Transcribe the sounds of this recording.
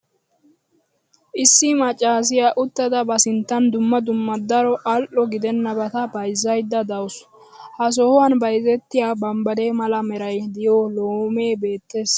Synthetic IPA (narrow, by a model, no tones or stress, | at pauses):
ʔɪsːɪmɐt͡ʃʼːaːs̬ɪjaʔʊt̪ːɐd̪ɐbɐsɪnt̪ːɐnd̪ʊmːɐd̪ʊmːɐd̪ɐɾɔʔɐlʔɔɡɪd̪ɛnːɐbɐt̪ɐbɐjzːɐjd̪ːɐd̪ɐws | hɐs̬ɔhɔwɐnbɐjzɛt̪ːɪjaːbɐmbɐd̪eːmɐlɐmɛɾɐjd̪ɪjoːloːme̞ːbe̞ːt̪ːe̞ːs